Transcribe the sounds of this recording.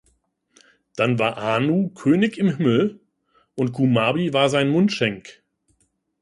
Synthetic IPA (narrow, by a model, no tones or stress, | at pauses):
d̥anvaːɐʔaːnuːkʰøːnɪçɪmɦɪml̩ | ʔʊnt̚ɡ̥umaːbivaːɐzaɪnmʊntʃɛŋk